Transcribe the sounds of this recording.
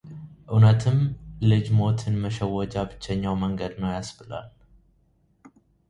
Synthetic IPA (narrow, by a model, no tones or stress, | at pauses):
ʔɨwnət̪ʰɨmlɨd͡ʒmo̞t̪ʰɨnməʃəwːɔd͡ʒabɨt͡ʃːɛɲːawməŋɡəd̪nəwjasbɨla̰l